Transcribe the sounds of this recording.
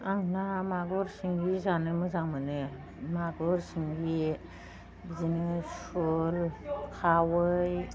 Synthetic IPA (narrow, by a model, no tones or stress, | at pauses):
aŋnamaɡɔɾsiŋbizanɯmɯzaŋmɯnɯ | maɡɔɾsiŋbi | bizinɯsɔlkʰawɯj